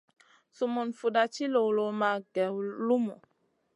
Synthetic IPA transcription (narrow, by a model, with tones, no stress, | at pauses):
su˨mu˨nfu˨da˨t͡ʃi˦lo˨wlo˨ma˨ɡɛ˨wlu˦mɔ̰˨